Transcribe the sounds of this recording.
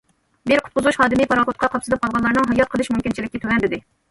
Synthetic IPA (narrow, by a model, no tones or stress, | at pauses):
bɪɾqʰʊ̥t̪qʊzʁuʃhɑːd̪ɨmipɑɾɑχot̪̚qʰɑqʰɑpsɨlɨp̚qʰɑlˠʁɑnlːˠɑɾnɨŋɦɑjɑt̪̚qʰəlˠɨʃmumkʲint͡ʃʰilɪkʲːɛt̪ʰøwɛnd̪ɪd̪ɪ